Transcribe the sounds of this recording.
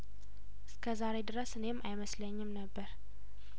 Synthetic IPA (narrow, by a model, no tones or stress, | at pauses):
ʔɨskʰəzaɾe̞d̪ɨɾəsɨne̞mːʔajməsləɲːɪmnəbːəɾ